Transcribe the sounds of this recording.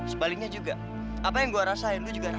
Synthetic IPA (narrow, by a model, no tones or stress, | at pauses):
səbalɪk̚ɲad͡ʒuɡa | apajaŋɡuaɾasaɪnt̪ud͡ʒuɡaɾa